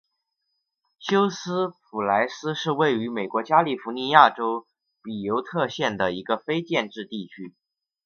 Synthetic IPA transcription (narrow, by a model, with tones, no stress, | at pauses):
ɕjo˥ʊsɹ̩˥pʰu˨˩la˧˥ɪsɹ̩˥ʂɻ̩˥˧we˥˩ɪy˧˥me˨˩ɪkwɔ˧˥t͡ɕja˥li˥˩fu˧˥ni˧˥ja˥˩ʈ͡ʂo˥ʊ | pi˨˩jo˧˥ʊt̪ʰɤ˥˧ɕjɛ˥˩nd̪ə˩i˧˥ɡə˧fe˥ɪt͡ɕjɛ˥˧nʈ͡ʂɻ̩˥˧t̪i˥˩t͡ɕʰy˥